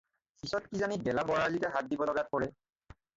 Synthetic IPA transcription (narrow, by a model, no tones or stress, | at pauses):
pisɔtkizanibɛlabɔɹalitɛɦat̚dibɔlɔɡat̚pɔɹɛ